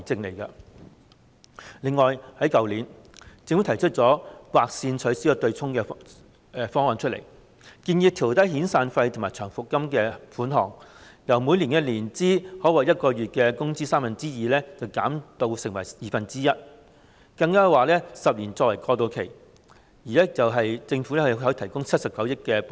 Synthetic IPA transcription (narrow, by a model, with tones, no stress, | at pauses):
ɐ˨˩jt͡sɪ˧ŋle˨˩jkɐ˧ | lɪ˨ŋːɔː˨jhɐ˨˥jkɐ˨wliː˨˥n | t͡sɪ˨ŋwt̪ʰɐ˨˩t͡ʃʰɵ˥t̚t͡sɔː˨˥waː˧k̚siː˧nt͡sʰɵ˨˥siː˨˥jɔ˧t̪ɵ˧ɥt͡sʰʊ˥ŋkɛː˧ | fɔː˥ŋhɔː˨˧nt͡ʃʰɵ˥t̚lḛ˨˩j | kiː˧njiː˧p̚t̪ʰiː˨˩wt̪ɐ˥jhiː˨˥nsaː˧nfɐ˧jt̪ʰʊ˨˩maː˨˩jt͡ʃʰœː˨˩ŋfʊ˨kːɐ˥mkɛː˧fuː˨˥nɦɔː˨˩ŋjɐ˨˩wmu˨˧jliː˨˩nkɛ˧liː˨˩nt͡siː˥hɔː˨˥wɐː˨˩jɐ˥t̚kɔː˧ɥyː˨t̚kɛː˧kʊ˥ŋt͡siː˥saː˥mfɐ˨nt͡siː˥jiː˨lɛː˥t͡sɐ˨wkaː˨˥mt̪o˧wsɪ˨˩ŋwɐ˨˩jjiː˨fɐ˨nt͡siː˥jɐ˥t̚ | kɐ˧ŋkaː˥˧waː˨lɛː˥sɐ˨p̚liː˨˩nt͡sɔː˧wɐ˨˩jkɔː˧t̪o˧wkʰe˨˩j | jiː˨˩lɛː˥t͡sɐ˨wɦɐ˨jt͡sɪ˧ŋfu˨˥lɛ˥kɔː˨˧˥t̪ʰɐ˨˩jkʊ˥ŋt͡sʰɐ˥t̚sɐ˨p̚kɐ˨˥wjɪ˥kkːɛː˧p